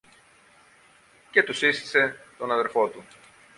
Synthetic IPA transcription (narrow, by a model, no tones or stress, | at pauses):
ce̞t̪usist̪i̥se̞t̪o̞nɐðe̞ɾfo̞t̪u